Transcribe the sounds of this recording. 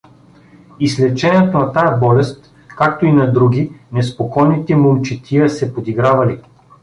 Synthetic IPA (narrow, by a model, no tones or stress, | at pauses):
islɛt͡ʃɛnɛt̪onɐt̪ajɛbɔlɛst̪ | kak̚t̪oinɐd̪ɾuɡʲinɛspokɔjnit̪ɛmolˠt͡ʃit̪ʲʰiəsɛpod̪iɡɾavɐli